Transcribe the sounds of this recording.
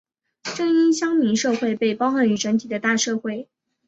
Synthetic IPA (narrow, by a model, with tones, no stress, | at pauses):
ʈ͡ʂɤ˥˩ŋi˥nɕjɑ˥ŋmi˧˥nʂɤ˥˧xwe˥˧ɪpe˥˩ɪpɑ˥ʊxa˧˥ny˧˥ʈ͡ʂə˧˥nt̪ʰi˨˩d̪ə˦t̪a˥˧ʂɤ˥˧xwe˥˩ɪ